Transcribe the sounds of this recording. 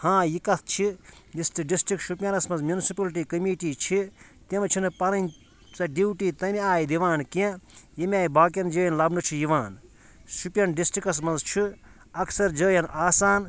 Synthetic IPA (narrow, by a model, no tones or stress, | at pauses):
hãːjikɐt̪ʰt͡ʃʰijisʈiɖisʈɾik̚ʈʃupjɐnɐsmɐnzmʲjunisipɐlʈ̬iːkɐmiːʈiːt͡ʃʰi | t̪emɐt͡ʃʰinɨpɐɾɐnʲ | t͡sɐɖiwʈiːt̪ɐmiaːjid̪iʋaːnkẽjimʲaːjbaːk̬ɐnd͡ʒəːjɐnlɐbnɨt͡ʃʰijiʋaːn | ʃupʲjɐnɖisʈɾikɐs̬mɐnzt͡ʃʰi | ɐksɐɾd͡ʒəːjɐnʔaːsaːn